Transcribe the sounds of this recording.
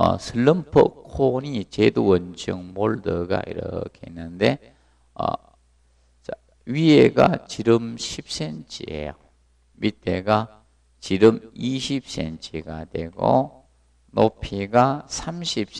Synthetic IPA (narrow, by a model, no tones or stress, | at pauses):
ʌ̰sʰɯlːɯmpʰo̰kʰonit͡ɕed̪uwʌnd͡ʑɯŋmoɭdɯɡa̰ḭɾʌ̰kʰeinːɯnde̞ | ʌ̰ | ɥieɡa̰t͡ɕiɾɯmɕʰip̚s͈ent͡ɕʰiḛjo | mit̪ːeɡa | t͡ɕiɾɯmiɕʰip̚sent͡ɕʰiɡad̪weɡo̰ | nopʰiɡasʰamɕʰip̚s